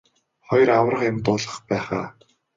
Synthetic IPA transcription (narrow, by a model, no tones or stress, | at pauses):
χɔj̆raw̆rə̆χɪmt̪ʊːɮə̆χpæːχaː